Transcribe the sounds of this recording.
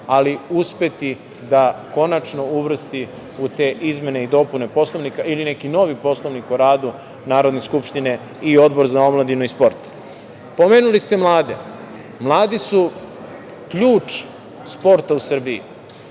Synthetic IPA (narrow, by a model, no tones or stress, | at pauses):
aliuspe̞t̪i | d̪ako̞nat͡ʃno̞uʋr̩st̪i | ut̪e̞ːʔizme̞neid̪o̞punepo̞sloʋnikailine̞kino̞ʋipo̞slˠoʋnikuɾaːd̪u | naːɾo̞d̪ne̞skupʃt̪ine̞ | io̞d̪bo̞ɾzao̞mlˠad̪inuispo̞ɾt̪ | po̞meːnulist̪emlˠaːd̪ḛ | mlˠaːd̪isu | kʎuːt͡ʂ | spo̞ɾt̪ausr̩biḭ